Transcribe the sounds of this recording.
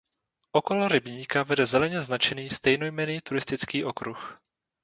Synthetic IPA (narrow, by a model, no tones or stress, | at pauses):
ʔoko̞loɾɪbɲiːkavɛdɛzɛlɛɲɛznat͡ʃɛniːst̪ɛjnojmɛniːt̪uɾɪst̪ɪt͡skiːʔo̞kɾux